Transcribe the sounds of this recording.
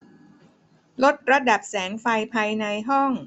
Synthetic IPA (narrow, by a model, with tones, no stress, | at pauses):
lo˦˥t̪̚ɾa˧da˨˩p̚sɛː˩˦ŋfa˧jpʰaː˧jna˧jɦɔ˥˩ŋ